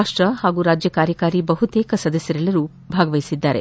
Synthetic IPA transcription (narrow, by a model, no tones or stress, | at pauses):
aːʂʈɾɐhaːɡuːɾaːd͡ʒjɐkaːɾjɐkaːɾibɐɦut̪eːkɐsɐd̪ɐsjɐɾɛlɐɾu | bʱaːɡɐʋɐjisid̪ːaːɾe̞